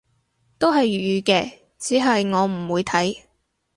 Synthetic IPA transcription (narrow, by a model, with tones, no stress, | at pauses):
t̪o˥wɦɐ˨jyː˨˧kɛː˧ | t͡siː˨˥ɦɐ˨jŋɔː˨˧m̩˨˩wuː˨˧jt̪ʰɐ˨˥j